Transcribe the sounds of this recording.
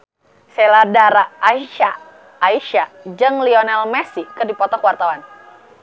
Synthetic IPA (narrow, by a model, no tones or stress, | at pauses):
seladaɾaʔːiʃaː | iʃad͡ʒɨŋlionɛlmɛsikɨrdipɔt̪ɔkwart̪awan